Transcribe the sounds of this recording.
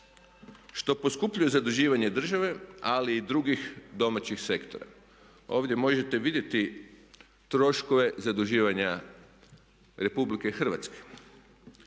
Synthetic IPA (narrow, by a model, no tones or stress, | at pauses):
ʃt̪o̞poskupʎujezad̪uʒiːʋaɲe̞d̪r̩ʒaʋe̞aliːd̪ɾuɡixd̪o̞mat͡ɕixse̞kt̪o̞ɾa̰ | o̞ːʋd̪je̞mo̞ʒe̞t̪e̞ʋid̪je̞t̪i | t̪ɾo̞ʃkoʋe̞zad̪uʒiːʋaɲa | ɾe̞publikexr̩ʋa̰t̪ske̥